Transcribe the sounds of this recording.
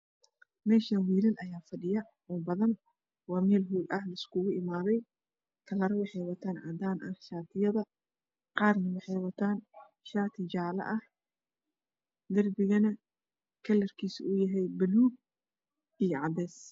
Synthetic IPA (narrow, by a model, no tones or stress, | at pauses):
mɛːʃɐnwiːlɪnʔɐjaːfɐɖɪjɐ | ɔːbɐðɐn | wɑːmɛːlɦuːlʔɐhlɐɪskʰʊɣʊɪmaːðɛj | kʰɐlɐɾɐwɑħɛjwɐt̪ʰaːnʕɑ̰d̪aːnʔɐhʃaːt̪ʰɪjɐðɐ | qɑːrnɐwɑħɛjwɐt̪ʰaːn | ʃaːt̪ʰɪd͡ʒaːlɐ̰ʔɐh | d̪ɐrbɪɣɐnɐ | kʰɐlɐrkʰiːsʊjɐɦɛjbɐluːɡ̚ | ijɞʕɑd̪ɛːs